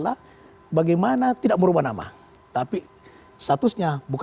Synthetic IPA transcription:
la | baɡajmanat̪idaʔ̚məɾubanama̰ | t̪api | st̪at̪usɲabuk

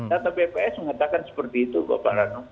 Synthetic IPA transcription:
d̪at̪awbepeɛsməŋat̪akansə̥pərt̪iːt̪uba̰pa̰ɾano

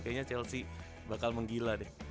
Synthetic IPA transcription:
kaɲat͡ʃɛlsi | bakalməŋɡiladɛ

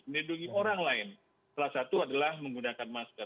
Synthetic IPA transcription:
məniduŋioɾaŋlaɪn | salahsat̪uadalahməŋɡunakanmaskə

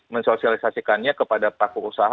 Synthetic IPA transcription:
mənsosialisasikanɲakəpadapɾakuusaɦ

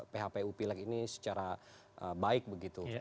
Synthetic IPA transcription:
peɦapeupilakinisə̥t͡ʃaɾa | ʔəbaɪk̚bəɡit̪u

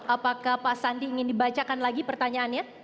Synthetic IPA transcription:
apakahpaʔsandiːŋɪndibat͡ʃakanlaɡipərt̪aɲaʔːnja

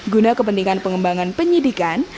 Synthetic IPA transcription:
ɡunakəpənt̪iŋanpəŋəmbaŋanpəɲidikan

